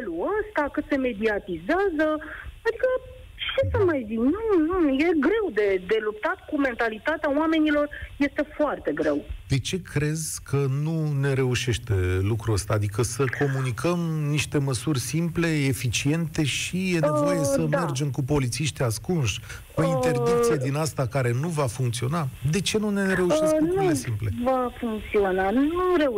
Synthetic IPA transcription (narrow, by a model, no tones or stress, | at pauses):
eluəst̪akɨt̪se̞me̞d̪iat̪izeazəad̪ikə | t͡ʃesəmajziknunuje̞ɡɾe̞wd̪e̞d̪e̞lupt̪at̪kume̞nt̪alit̪at̪eawame̞nilo̞rje̞st̪e̞foart̪e̞ɡɾe̞̰wd̪̥e̞t͡ʃe̞kɾe̞zkʰənune̞ɾe̞uʃe̞ʃt̪e̞lukɾuəst̪aːd̪ikəsəkʰo̞munikʰəmniʃt̪e̞məsurʲsimple̞efit͡ʃie̞nt̪e̞ʃije̞ne̞vo̞je̞səme̞rd͡ʒe̞mkupo̞lit̪siʃt̪iaskunʃ | kuine̞rd̪ikt̪sijed̪inast̪akaɾe̞nuvafuŋkt̪sio̞nad̪e̞t͡ʃe̞nune̞ɾe̞uʃesknk̪uesimple̞vafuŋk̚t̪sionanuɾe̞